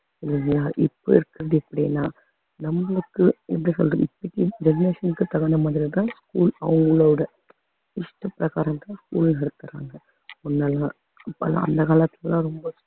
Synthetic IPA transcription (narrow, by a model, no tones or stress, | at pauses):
ɪlːɯŋɡɐlaːʔɪpːo̰ɪɾɯkːɪɾɐðɯɛpːɐɽɪjnːaː | nɐmɡɐɭɯkːɯɛpɽisɔ̰lrɐ̰ɪpːɐʈːid͡ʒɛd͡ʒneːʂɐnkːɯt̪ɐɣɐnɐmɐðɪlt̪ãːskuːlɐʋɐŋɡɯɭɐʋɯɽɐ | ɪʂʈɐpːɪɾɐɣaːɾɐmt̪ãːskuːlnɛɽɯt̪ːɐɾa̰ːŋɡɐ | ʊnːaːla | pːɐ̰lã̰ːɐ̰nd̪ɐkaːlɐt̪ːɪlɐlãːɾɔmbɐ